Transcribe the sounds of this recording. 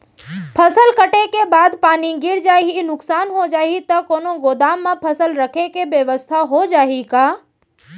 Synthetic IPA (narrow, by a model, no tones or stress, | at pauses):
pʰəsəlkəʈekebaːd̪paːniɡɪɾd͡ʒaːinʊksaːnɦod͡ʒaːit̪ɐkoːnoɡoːd̪aːmːãpʰəsəlɾəkʰekebjəʋəst̪ʰaɦod͡ʒaːikaː